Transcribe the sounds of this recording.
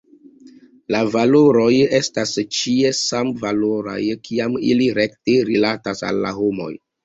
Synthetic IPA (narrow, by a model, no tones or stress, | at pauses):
lavaloɾo̞je̞stast͡ʃie̞samvaloɾa̰jkʰiamḭliɾekteɾilatasa̰lːa̰ɦomo̞̰j